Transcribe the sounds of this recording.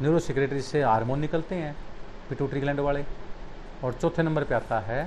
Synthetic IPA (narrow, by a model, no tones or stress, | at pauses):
njuːɾoːsɪkɾeːʈɾiseɦaːɾmõːnːɪkəlt̪eɦɛ̃ː | pɪʈuːʈɾiːɡlɛ̃ːɳɖʋaːɭeː | ɔːɾt͡ʃɔːt̪ʰːeːnəmbəɾpjaːt̪aɦɛː